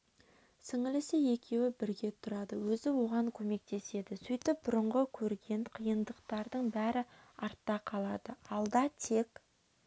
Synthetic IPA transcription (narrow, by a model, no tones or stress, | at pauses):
sɪŋɪlɪsɪe̞kʲe̞wɪbɪɾɡʲe̞t̪ʰʊɾɑd̪əwɵzɪwo̞ʁɑŋkʲʰɵme̞k̚t̪e̞se̞d̪ɪsijt̪ɪp̚bʊɾəɴʁəkʲʰɵɾɡʲe̞nqʰijənd̪əqt̪ɑɾd̪əɴbæɾɪɑɾt̪ːɑqʰɑlˠɑd̪əɑlˠd̪ɑt̪ʰe̞k